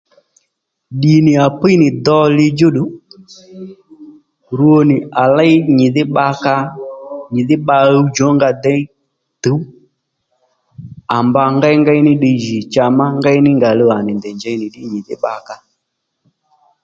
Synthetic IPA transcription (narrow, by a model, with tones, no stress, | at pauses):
ɗi˨nɪ˨a˨pi˦jnɪ˨d̪ɔ˧lɪ˧d͡ʒo˦ɗu˨˦ | ɾu˦o˧nɪ˨a˨la˦ɪ˦ɲɪ˨ðɪ˦ɓa˧ka˧ɲɪ˨ðɪ˦ɓa˧u˦d͡ʒɔ˨˦ŋɡa˧d̪ɛ˦ | tu˨˦ | a˨mba˧ŋɡa˦jŋɡa˦jnɪ˦ɗi˧ʒi˨t͡ʃa˧ma˦ŋɡa˦ɪ˦nɪ˦ŋɡa˨lo˧a˨nɪ˨ndɛ˨nd͡ʒɛ˧jnɪ˨ɗɪ˦ɲi˨ðɪ̰˦ɓa˧ka˧